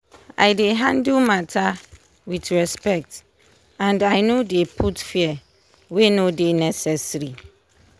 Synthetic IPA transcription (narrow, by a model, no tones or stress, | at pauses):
a̰jdeɦãndulmatʰa | witɹɛspɛk̚t | ãndajnodepʰutfiɛ | wenodenɛsɛsɾi